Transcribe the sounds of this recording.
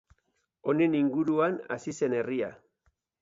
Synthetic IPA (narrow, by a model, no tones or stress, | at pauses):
o̞ne̞niŋɡuɾuana̰sise̞neria